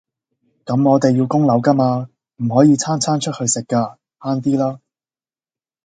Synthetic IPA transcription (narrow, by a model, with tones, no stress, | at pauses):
kɐ˨˥mŋɔː˨˧t̪e˨jːiː˧wkʊ˥ŋlɐ˨˥wkɐ˥maː˧ | m̩˨˩ɦɔː˨˥jiː˧t͡sʰaː˥nt͡sʰaː˥nt͡ʃʰɵ˥t̚hɵ˧ɥsɪ˨kːaː˧ | haː˥nt̪̬iː˥laː˥